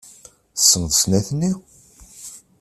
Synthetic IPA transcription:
θə̥sːənðəsnæθənːi

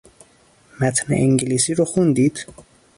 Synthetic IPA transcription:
mæt̪ʰnḛʔiŋɡeliːsiːɾoxund̪iːd̪̥

